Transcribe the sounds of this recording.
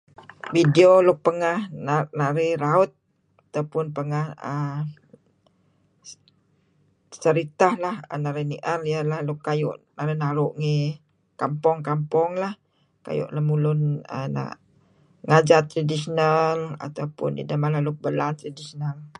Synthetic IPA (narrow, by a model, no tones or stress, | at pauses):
widiolʊk̚pəŋahnanaɾiɾaʊt̪̚ | at̪awpʊnpəŋahə | səɾit̪ahlahə̰naɾiniʔərialahlʊkːajʊ̰ʔnaɾinaɾʊʔŋi | kampɔŋkampɔŋlah | ka̰jʊ̰ʔlahmulʊnə̰na̰ʔ | ŋad͡ʒat̪ːɾadisonala̰t̪awpʊ̰ntḭdamalahlʊk̚bəlant̪ɾadisonal